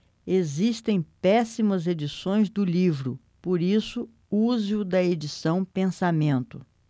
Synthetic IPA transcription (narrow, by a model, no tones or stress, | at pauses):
ezist̪ẽj̃pɛsimɐzed͡ʒisõj̃zd̪ʊlivɾʊ | poɾisʊ | uzɪʊd̪ɐed͡ʒisɐ̃w̃pẽsamẽnt̪ʊ